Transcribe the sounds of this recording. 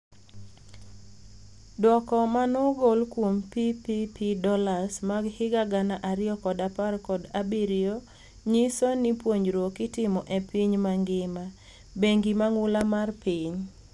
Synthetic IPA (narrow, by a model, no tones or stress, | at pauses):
dwɔkɔmanɔɡolkwompipipʰidɔlasmaɡhɪɡaɡanaʔaɾɪɔkɔdaparkɔdabiɾio | ɲisonipwoɲd͡ʒɾwokɪtɪmɔʔepiɲmaŋɡɪma | beŋɡimaŋʊlamarpiɲ